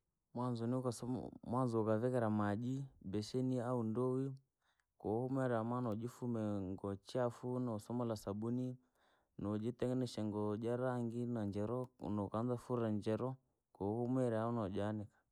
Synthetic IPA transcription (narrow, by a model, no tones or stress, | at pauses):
mwanzɔniukasmwanzɔukavɛkɛɾamad͡ʒibɛʃɛniaundɔwi | kɔhumɛɾɛamanɔd͡ʒifumɛŋɡɔt͡ʃiafunɔsɔmɔlasaɓuni | nɔd͡ʒitɛŋɡɛnɛʃɛŋɡɔd͡ʒaɾaŋɡinand͡ʒɛɾɔ̰nɔkanzafuɾaɲd͡ʒɛɾɔ | kɔhumɛɾɛaunɔd͡ʒanɛkḁ